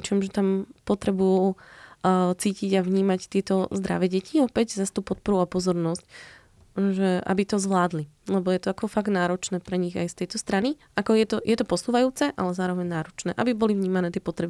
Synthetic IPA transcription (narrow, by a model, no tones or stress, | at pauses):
t͡ʃiɛmʒɛt̪ampɔt̪ɾɛbuju | t͡siːciɟaʋɲiːmact̪ɪɛt̪ɔzd̪ɾa̰ʋɛɟɛcʰiɔpɛɟzast̪uːpɔt̪̚pɔɾuapɔzɔɾnɔsc | ʒɛʔa̰bit̪ɔzʋlaːd̪lilɛbɔjɛt̪ɔakɔfaɡ̪naːɾɔt͡ʃnɛːpɾɛɲiɣa̰jst̪ɛjt̪ɔst̪ɾani | ʔakɔjɛt̪ɔjʔɛt̪ɔpɔsuːʋajuːt͡sɛʔa̰lɛzaːɾɔʋɛɲnaːɾɔt͡ʃnɛ̰ːʔabibɔlivɲiːmanɛːt̪ɪɛpɔt̪ɾɛbi